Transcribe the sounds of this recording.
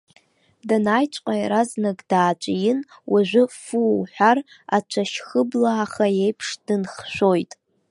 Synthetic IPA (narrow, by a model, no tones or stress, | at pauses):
danajt͡ʃʷʼqʼajɾaznaɡʼdaːt͡ʃʷʼjɪnwʔaʒʷʊfuwħʷᶣar | at͡ʃʷʰaʃχəblaːχajejpʰʂd̥ɨnχʃʷᶣo̞jtʼ